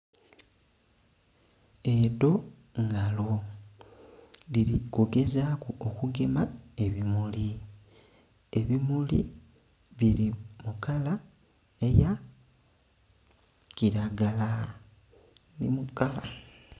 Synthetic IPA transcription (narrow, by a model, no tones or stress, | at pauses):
edo̞ | ŋɡalo | liɾikoɡe̞zaːkuokuɡe̞mae̞βimuli | e̞βimulḭ | βiɾimukala | e̞ja | ciɾaɡala | nḭmukala